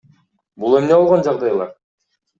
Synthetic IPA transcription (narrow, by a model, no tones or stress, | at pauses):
bulˠemneolˠʁond͡ʒɑʁd̪ɑjlˠɑɾ